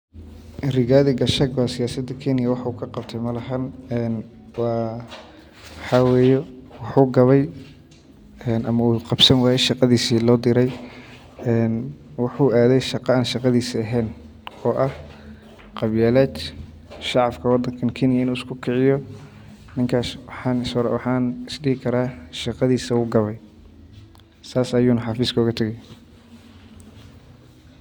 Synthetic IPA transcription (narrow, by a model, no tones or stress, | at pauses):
rɪɣaːðɪɡɐʃɐɡwɑːsɪjaːsɐd̪ɐkʰɛnɪjɐwɑħɑuːkʰɐqɑbt̪ʰɛjmɐlɐɦɐnɛn | wɑ | ħɑwɛːjɛwɑħuːɡɐβɛj | ɛːnʔɐmɐuːqɑbsɐnwɑːjɛʃɑqɑðiːsiːlɔːd̪ɪɾɛj | ɛnwɑħuːaːðɛjʃɑqɑaːnʃɑqɑðiːsiɐɦɛːn | ɔːʔɐh | qɑβjɛːlɛːt͡ʃ | ʃɑʕɑfkʰɐwɑd̪ɐŋkʰɐnkʰɪnɪjɐɪnuːɪskʰʊkʰɪʕɪjɔ | nɪŋkʰaːswɑħɑːnɪsɾwɑħɑːnɪsliːɪkʰɐɾaːʃɑqɑðiːsɐuːɡɐβɛj | saːsɐjuːnɐħɑfiːskʰɐʊɣɐt̪ʰɐɣɛj